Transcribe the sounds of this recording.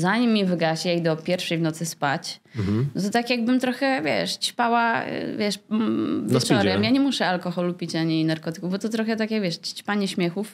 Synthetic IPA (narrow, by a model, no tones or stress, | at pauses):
zaɲimːivɘɡaɕjejd̪ɔpʲjɛɾfʂɛjvnɔt̪sɨspat͡ɕ̩ | t̪ɔt̪akʲjaɡ̚bɘmt̪ɾɔxɛvʲjɛ̰ʂt͡ɕpawa̰vʲjɛʂvʲjst͡ʂɔɾɛmjaɲɛmuʂɛalkɔxɔlupʲit͡ɕaɲinaɾkɔt̪ɘ̥kuvbɔt̪ɔt̪ɾɔxɛt̪akʲjaɡvʲjɛʂt͡ɕt͡ɕpaɲɛɕmʲjɛxuf